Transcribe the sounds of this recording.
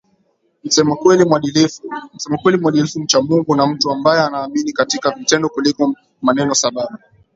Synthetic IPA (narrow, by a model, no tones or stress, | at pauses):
m̩sɛmakwɛlimwaɗilm̩sɛmakwɛlimwaɗilifum̩t͡ʃamuŋɡunam̩tuambajɛanaːminikatikavitɛndɔkulikɔ | manɛnɔsaɓaɓa